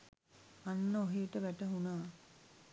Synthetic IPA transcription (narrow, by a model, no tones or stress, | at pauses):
anːəoɦeːʈəʋæʈəɦunaː